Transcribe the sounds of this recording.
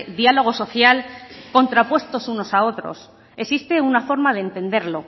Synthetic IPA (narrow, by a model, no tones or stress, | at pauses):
ðjalo̞ɣ̞o̞so̞θjalko̞nt̪ɾapwe̞st̪o̞suno̞sao̞t̪ɾo̰s | esist̪e̞unafo̞ɾmað̞eːnt̪e̞nd̪e̞ɾlo̞